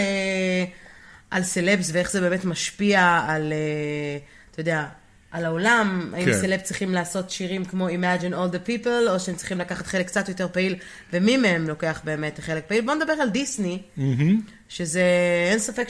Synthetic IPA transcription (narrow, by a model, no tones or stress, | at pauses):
e | ʔalselebsveeχzebe̞ːmetmaʃpiaale | at̪ajod̪ea | alaolama̰imselept͡sʁiχimlaːso̞tʃiʁimkmo̞imad͡ʒinold̪epiplo̞ʃeemtt͡sʁiχimlakaχat̪χelekːt͡satjo̞t̬e̞ʁpail | vemimeemlo̞ke̞aχbe̞ːme̞tχe̞lek̚pailbo̞ned̪abe̞ʁaldisni | ʃezeensafek